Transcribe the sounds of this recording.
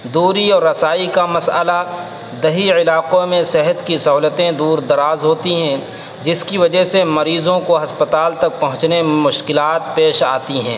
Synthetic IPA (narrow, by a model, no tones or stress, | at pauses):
d̪uːɾiɔːɾːɐsaːikamɐsəla | d̪ɐɦiɪlaːqõmẽsɛɦət̪kisɐɦuːlət̪ẽd̪uːɾd̪ɐɾaːzɦoːt̪iɦɛ̃ | d͡ʒɪskiʋɐd͡ʒəɦsemɐɾiːzõkoɦɐspət̪aːlt̪ɐk̚pɐɦʊ̃t͡ʃnemʊʃkɪlaːt̪̚peːʃaːt̪iɦɛ̃ː